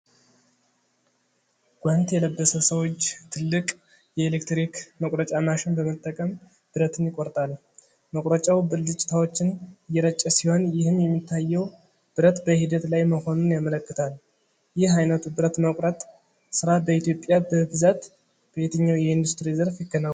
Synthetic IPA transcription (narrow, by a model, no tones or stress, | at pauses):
ɡ̥ʷant̪jɛləbːəsəsəwot͡ʃːt̪ʰɨlːɨkʼ | jɛelekt̪ɾikməkʼɾət͡ʃʼanaʃɪnbəmət̪ʼːəkʼəm | b̥ɨɾət̪ʰɨnjɪkʼoɾt̪ʼal | məkʼɾət͡ʃʼawbɨlɨt͡ʃʼɪ̥t̪ʰawo̞t͡ʃːɪnɨjːɛɾət͡ʃʼːəsiho̞njɪhɨmjɛmːit̪ʰːajːɛw | b̥ɨɾət̪bəhid̪ət̪lajməho̞nunjamələkːɨ̥t̪ʰal | jɪhajnət̪ubɨɾət̪məkʷʼɾət̪ʼ | sɨɾabəit̪jo̞pʼjabəbɨzat̪ | b̥əjet̪ʰəɲːawjɛɪnd̪ust̪ɾizəɾfjɪɡːəna